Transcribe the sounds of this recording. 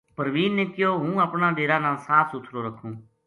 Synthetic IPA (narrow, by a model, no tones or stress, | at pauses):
pəɾʋiːnːeːkɪjoːɦũːəpnãːɗeːɾaːnãːsaːt̪sʊt̪ʰɾoːɾəkʰũː